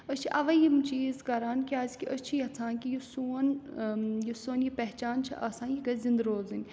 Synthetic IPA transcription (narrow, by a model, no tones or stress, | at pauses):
ət͡ʃʰiʔɐʋɐjimt͡ʃiːzkɐɾaːnkʲiaːzkʲiət͡ʃʰijɐt͡sʰãːnkijusuːn | jisoːnjipɛɦt͡ʃaːnt͡ʃʰiʔɐsãːnjiɡɐzind̪ɾoːzɐnʲ